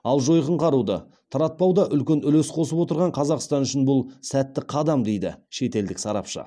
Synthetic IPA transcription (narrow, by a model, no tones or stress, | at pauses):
ɑlˠʒo̞jqəɴqʰɑɾud̪ɑ̰ | t̪ʰɑɾɑt̪̚pɑwd̪ɑʔʏlkʲenʏlesqʰo̞səpwo̞t̪əɾʁɑɴqʰɑzɑqst̪ɑnʏʃɪnbʊlˠsæt̪ːɪqʰɑd̪ɑmd̪e̞jd̪ɪ̰ʃe̞t̪e̞ld̪ɪksɑɾɑ̰pʃə̰